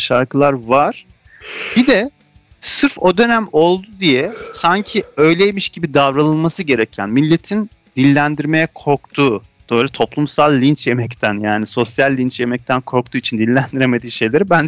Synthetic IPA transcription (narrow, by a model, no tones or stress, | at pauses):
ʃaɾkɯlˠaɾvaɾ̥ | bid̪ɛ | sɯɾfo̞d̪ø̞næmo̞lˠd̪ud̪ijɛsaɲcʰiø̞jlʲejmiʃɟibid̪avɾalˠɯnˠmasɯɟe̞ɾɛcʰænmilʲːe̞t̪ʰin | d̪̥ilʲːænd̪iɾme̞jɛkʰo̞ɾk̚t̪ʰuː | d̪̥øjlʲɛt̪ʰo̞plˠumsalˠʲːint͡ʃje̞mɛct̪ʰænjaːniso̞sjalʲːint͡ʃje̞mɛc̚t̪ʰænkʰo̞ɾk̚t̪ʰuːit͡ʃʰind̪ilʲːænd̪iɾeme̞d̪iːʃe̞jlʲeɾibænd͡ʒ